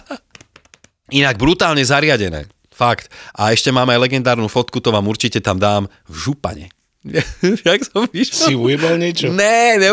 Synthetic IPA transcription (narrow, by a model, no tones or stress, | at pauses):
inaɡ̚bɾut̪aːlɲɛzaɾɪaɟɛnɛ̰ː | fakt̪ʔaɛʃcɛmaːmajlɛɡɛnd̪aːɾnuːfɔt̪kut̪ɔʋaːmuɾt͡ʃicɛt̪amd̪aːm | vʒupa̰ɲɛ̰ | jaksɔmʋiʃlsɛliujɛbɔlɲɪɛt͡ʃɔɲɛɲɛ